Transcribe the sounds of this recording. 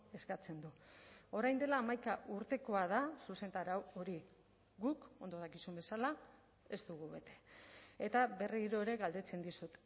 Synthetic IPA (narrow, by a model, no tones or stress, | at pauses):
e̞skat͡se̞nd̪uo̞ɾajnd̪e̞laːmajkaʔuɾt̪e̞ko̞að̞asuse̞nt̪aɾawo̞ɾi | ɡuko̞nd̪o̞ð̞akisumbe̞sala | e̞st̪uɣuβe̞t̪e̞̥et̪aβe̞riɾo̞eɾe̞ɣald̪e̞t͡se̞nd̪isut̪